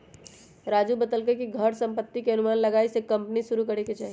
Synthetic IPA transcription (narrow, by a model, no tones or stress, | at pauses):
ɾaːd͡ʒubəd̪əlkekiɡʱəɾsə̃mpət̪ːikeɐənʊmaːnləɡaːisekɐ̃mpnisuɾukəɾeket͡ʃaːɦi